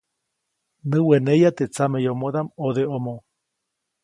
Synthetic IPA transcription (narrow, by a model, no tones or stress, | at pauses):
nɨwenejat̪et͡samejomoðamoðeomo